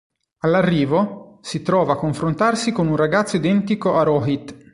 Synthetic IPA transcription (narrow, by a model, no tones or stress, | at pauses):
alːarːiːvosit̪ɾɔːvakːoɱfɾont̪arsikonunraɡat̪soid̪ɛnt̪ikoaɾɔɦit̪ː